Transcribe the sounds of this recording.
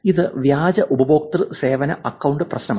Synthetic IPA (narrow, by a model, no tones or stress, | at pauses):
iðɨʋjaːd͡ʑɐʔubɐbo̞ːk̚t̪rɨse̞ːʋɐnɐ̰ʔɐkːɐwɳɖɨprɐɕnɐmː